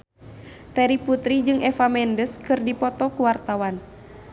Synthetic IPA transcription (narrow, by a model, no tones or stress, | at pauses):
t̪ɛɾiput̪ɾid͡ʒɨŋʔɛfamɛndəskɨrdipɔt̪ɔkuwart̪awan